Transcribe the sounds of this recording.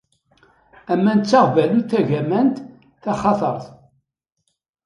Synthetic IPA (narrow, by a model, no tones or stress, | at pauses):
æmːænt͡sːɑʁvæluθæʝæmænt̪ | θæχɑθˤəɾˤθ